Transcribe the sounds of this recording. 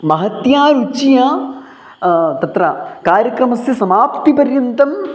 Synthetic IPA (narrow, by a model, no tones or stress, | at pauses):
mɐɦɐt̪jaːɾut͡ʃijaː | t̪ɐt̪ɾɐkaːɾjɐkɾɐmɐsjɐsɐmaːpt̪ipɐɾjɐnt̪ɐm